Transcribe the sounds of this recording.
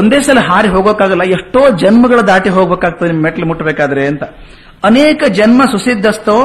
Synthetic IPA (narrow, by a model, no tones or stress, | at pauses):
ond̪eːsɐlɐɦaːɾiɦoːɡoːkaːɡɐlːɐeʂʈoːd͡ʒɐnmɐɡɐɭɐd̪aːʈiɦoːɡbeːkaːɡ̚t̪ɐd̪enimɐmeʈːɐlmuʈːɐbeːkaːd̪ɐɾeɐnt̪ɐ | ɐneːkɐd͡ʒɐnmɐsusid̪ʱːɐst̪o